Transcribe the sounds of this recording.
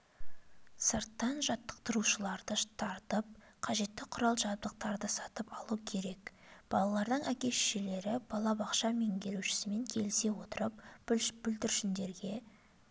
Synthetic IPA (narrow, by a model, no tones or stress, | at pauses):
səɾt̪ːɑnʒɑt̪ːə̥q̚t̪əɾuʃəlˠɑɾd̪ət̪ʰɑɾt̪əp̚ | qʰɑʒe̞t̪ːɪqʰʊɾɑlˠʒɑd̪əq̚t̪ɑɾd̪əsɑt̪əpɑlˠukʲʰe̞ɾe̞kb̥ɑlˠɑlˠɑɾd̪əɴʔækʲe̞sʃele̞ɾɪbɑlˠɑbɑqʃɑme̞ŋɡʲe̞ɾuʃɪ̥sɪme̞ŋkʲʰe̞lɪse̞wo̞t̪əɾəp̚bʏld̪ɪɾʃɪnd̪e̞ɾɡʲe̞